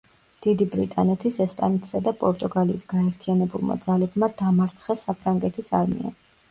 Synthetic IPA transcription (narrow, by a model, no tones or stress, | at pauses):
d̪̥id̪ibɾḭt̪ʼa̰nɛt̪ʰisɛspʼa̰nɛt̪ʰsad̪apʼɔɾt̪ʼuɡalḭːsɡaɛɾt̪ʰianɛbulˠmʔa̰d̪zalɛbmad̪amaɾt̪sʰχɛsːapʰɾaŋɡɛt̪ʰisaɾmḭa̰